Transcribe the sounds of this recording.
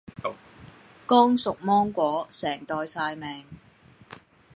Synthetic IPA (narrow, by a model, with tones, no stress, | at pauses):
kɔː˥ŋsʊ˨k̚mɔː˥ŋkʷɔː˨˥sɛː˨˩ŋt̪ɔː˨jsaː˧jmɛː˨ŋ